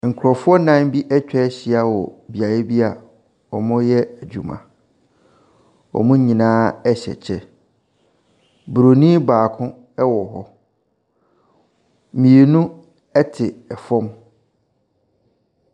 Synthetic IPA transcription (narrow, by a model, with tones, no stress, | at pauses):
ŋ̩˨kʰʊ˨ɾɔ˨fʊ˦ɔ˦nã˦m˦bi˦ʔɛ˦t͡ɕᶣɛ˦ɕɪ˨a˨wɔ˨bi˨a˨je˦bi˦a˨ | ɔ˨mʊ̃˦jɛ˦æ˨d͡ʑᶣu˨mã̰˨ | ɔ̰˨mʊ̃˦ɲĩ˨nãː˦ɛ˦ɕɛ̰˨t͡ɕʰɛ˦ | bu˨ɾo˨nĩ˦baː˨kʰʊ̃˦ | ɛ˦wɔ˨ɦɔ˦ | mĩ˨e˨nũ˦ | ɛ˦tʰɪ˨ɛ˨fɔ̃˦m